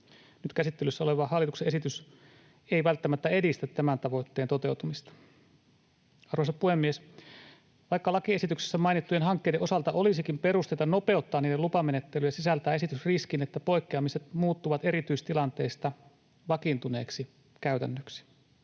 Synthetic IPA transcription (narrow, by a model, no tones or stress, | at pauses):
nyt̪kæsit̪ːelysːæoleʋɑhɑlːit̪ukseesit̪ys | eiʋælt̪ːæmæt̪ːæedist̪æt̪tæmænt̪ɑʋo̞jt̪ːeːnt̪o̞t̪e̞wt̪umist̪ɑ̥ | ɑrosepuhemːies | ʋɑikːɑlɑkiesit̪ykse̥sːæmɑinit̪ːujenɦɑŋkːejdeʔo̞sɑlt̪ɑʔo̞lisikimpe̞ɾust̪eit̪ɑno̞pe̞ut̪ːɑːniːdelupɑmenet̪ːelyjæsisælt̪æːe̞sit̪ysriskinet̪ːæpo̞ikːeɑmiset̪muːt̪ːuʋɑt̪eɾit̪yist̪ilɑnt̪e̞ːst̪ɑ | ʋɑkint̪une̞ːksi | kæyt̪ænːøksi̥